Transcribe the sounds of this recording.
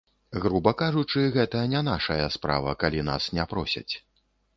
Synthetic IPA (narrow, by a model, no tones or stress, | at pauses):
ɣɾubɐkaʐut͡ʂɨɣɛt̪ɐjɐnʲɛn̪aʂɐjɐspɾa̰vɐ̰kalʲina̰snʲɛpɾɔsʲɐ̰t͡sʲ